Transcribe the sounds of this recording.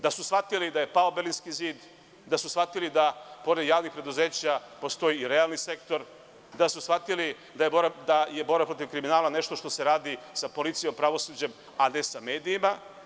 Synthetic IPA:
d̪asusfat̪ilid̪ajepaobelinskiziːd̪ | d̪asusfat̪ilid̪apo̞ɾed̪jaːʋnixpɾe̞d̪uze̞ːt͡ɕapo̞st̪o̞jiːɾealˠnise̞kt̪oɾ | d̪asusxfat̪ili | d̪ajeboɾd̪aje̞boɾbapɾo̞t̪iʋkɾiminaːlane̞ʃt̪o̞ʃt̪o̞se̞ɾaːd̪isapo̞lit̪sijo̞mpɾaʋo̞suːd͡ʑe̞m | ane̞sameːd̪iːma

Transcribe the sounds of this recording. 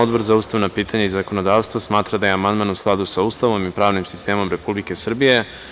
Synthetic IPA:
od̪bo̞ɾzauːst̪aʋnapiːt̪aɲaizako̞no̞d̪aːʋst̪ʋosmaːt̪ɾad̪ajeamand̪manusklˠad̪usauːst̪aʋo̞mipɾaːʋnimsi̥st̪e̞ːmo̞mɾe̞publike̞sr̩bije̞

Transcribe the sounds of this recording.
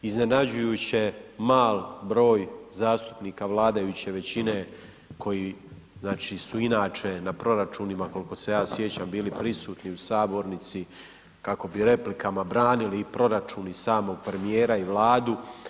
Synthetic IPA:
izne̞nad͡ʑujuːt͡ɕe̞maːlbɾo̞ːjzaːst̪u̥pniːkaʋlˠaːd̪ajut͡ɕe̞ʋe̞t͡ɕine̞ | kʰo̞ji | znaːt͡ʃisuinaːt͡ʃe̞napɾo̞ɾat͡ʃunimako̞liko̞se̞jaːsje̞t͡ɕambiːlipɾisuːt̪niusaːbo̞ɾnit̪si | kako̞biɾe̞plikamabɾaːniliːpɾo̞ɾat͡ʃunisaːmo̞ɡ̚pɾe̞mijeːɾaiʋlˠaːd̪u

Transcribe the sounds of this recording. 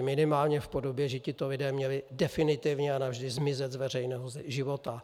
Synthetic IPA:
mɪnɪmaːlɲɛfpo̞do̞bjɛʒɛcɪt̪o̞lɪdɛːmɲɛlɪdɛfɪnɪt̪ɪvɲɛanavʒdɪzmɪzɛd̪zvɛrɛjnɛːɦozʒɪvo̞t̪a

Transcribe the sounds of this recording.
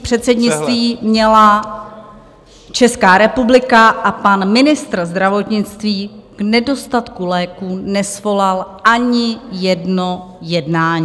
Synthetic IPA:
pr̥ɛt̪sɛdɲɪt͡st̪viːmɲɛla | t͡ʃɛskaːɾɛpublɪkaʔapanmɪnɪst̪rzd̪ɾavo̞t̪ɲɪt͡st̪viːɡ̥nɛdo̞st̪at̪kulɛːkuːnɛsvo̞lalʔaɲɪjɛdno | jɛdnaːɲiː

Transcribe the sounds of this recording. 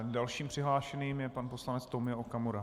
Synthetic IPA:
dalʃiːmpr̝̥ɪɦlaːʃɛniːmjɛpanposlanɛt͡st̪omɪɛʔokamoɾa

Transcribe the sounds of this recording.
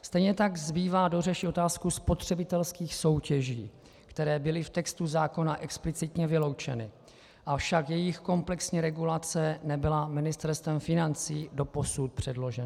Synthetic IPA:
st̪ɛjɲɛt̪aɡzbiːvaːdo̞rɛʃio̞t̪aːskuspo̞t̪r̝̥ɛbɪt̪ɛlskiːxso̞wcɛʒḭː | kt̪ɛɾɛːbɪlɪft̪ɛkst̪uzaːko̞naʔɛksplɪt͡sɪt̪ɲɛvɪlo̞wt͡ʃɛ̰nɪ | ʔafʃakjɛjɪxko̞mplɛksɲɛɾɛɡulat͡sɛnɛbɪlamɪnɪst̪ɛɾst̪vɛmfɪnant͡siːdo̞po̞sut̪̚pr̝̥ɛdlo̞ʒɛna

